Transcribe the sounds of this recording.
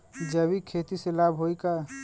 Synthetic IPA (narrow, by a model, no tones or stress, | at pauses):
d͡ʒəbikʰet̪iselabʱɦoika